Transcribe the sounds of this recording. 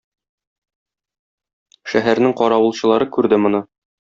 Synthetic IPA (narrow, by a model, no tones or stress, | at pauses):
ʃæɦæɾnɘŋqɒɾɑwɤ̆lˠɕɤ̆lˠɑɾɤkʉɾd̪ɘmŏnɤ